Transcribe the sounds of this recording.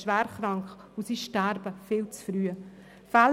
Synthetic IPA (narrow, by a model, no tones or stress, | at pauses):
ʃʋæːɾχɾɑŋkχ | usiːʃtæːɾbəfɪːlt͡sfɾyːə | fæl